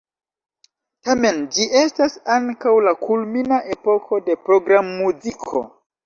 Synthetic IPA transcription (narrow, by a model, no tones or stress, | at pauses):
tame̞nd͡ʒiʔe̞stasaŋkawlakʰulminaʔe̞po̞kʰo̞de̞pɾo̞ɡɾamːuzikʰo̞̰